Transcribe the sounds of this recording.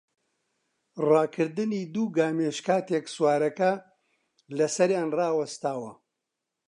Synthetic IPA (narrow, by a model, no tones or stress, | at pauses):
rɑːkʰɨɾd̪ɨniːd̪uːɡaːmeːʃkaːt̪ekswaːɾɐkɐ | lɐsɐɾjaːnrɑːwɐst̪aːwɐ